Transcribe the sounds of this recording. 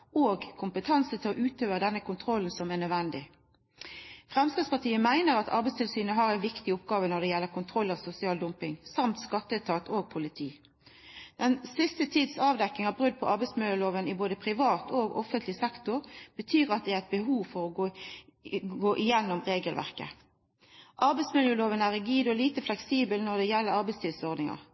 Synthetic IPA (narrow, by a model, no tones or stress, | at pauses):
oːɡkʰʊmpət̪ʰɑnsət̪ʰɪlɔʔʉːt̪øːʋəʁəd̪ɛnːəkʰʊnt̪ʰʁɔlːn̩sɔmæʁnœd̪ʋɛnd̪ɪ | fʁɛmskɑːspɑt̪ʰiːəmæɪnəɾɑt̪ʰɑ̰ɾbɛst̪ʰɪlsyːnəɦɑːʁæɪnʋɪkt̪ɪʊpɡɑːʋənɔd̪ɛjɛlːəkʊnt̪ʰʁɔlːɑʋsʊsɪɑːld̪ʊmpɪŋsɑmt̪skɑt̪ːət̪ʰɑːt̪ʰoːɡ̚pʰʊlɪt̪ʰiː | d̪̥ɛnsɪst̪ət̪ʰiːd̪sɑːʋd̪ɛkːɪŋɑbʁʉd̪̚pʰɔʔɑɾbɛɪsmɪljəloːʋənɪboːd̪əpʰʁɪʋɑːt̪oːɡɔ̰fənt̪ʰlɪsɛkt̪ʊʁb̥ət̪ʰyːʁɑt̪̚d̪ɛæɪt̪̚bəɦuːʋfɔɾɔɡoː | ɡoːʔɪjɛnːɔmʁeːɡəlʋæ̰ʁkə̰ | ʔɑɾbɛɪsmɪljəloːʋənæʁɪɡyːd̪ɔliːt̪əflɛksiːbəlnɔʁd̪ɛjɛlːəɾɑɾbɛɪst̪ʰɪlsɔɾd̪nɪŋɑ̰ʁ